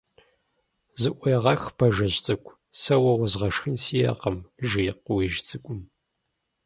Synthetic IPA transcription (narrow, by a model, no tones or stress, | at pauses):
zɨʔʷɔjʁɐxbʰɐʒɐʑt͡sʼɨkʷʰʼ | sɐwɐwɐzʁɐʂxɨnsijɐ̰qɐmʒijq̚wiʒt͡sʼɨkʷʼʊm